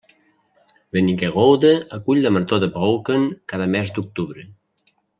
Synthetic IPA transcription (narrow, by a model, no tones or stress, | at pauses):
βenikeɣowðəəkuʎʲləməɾt̪oðəβowkəŋkaðəmɛzd̪uk̚t̪uβɾə